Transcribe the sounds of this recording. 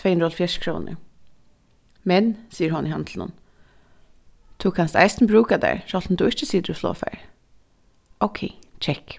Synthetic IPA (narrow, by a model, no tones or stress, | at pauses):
veɪnɾɔlfjɛʃkʰɾoːnə̰ | mɛnsiːəɦʊnɪɦɑnd̪lnʊ̰n | t̪ʰʊkʰanst̪æ̰ɪst̪nbɾʉːkad̪æ̰ɹʃɔlt̪n̩d̪ʊːɪt͡ʃəsiːd̪əɾɔslo̰ːfæ̰ɹ | oʊkʰeɪt͡ʃʰɛk